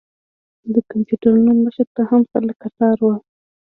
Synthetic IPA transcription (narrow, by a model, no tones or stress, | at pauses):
d̪əkampuɖaɾunoməʃəɾt̪ahamxəlakasɑɾwa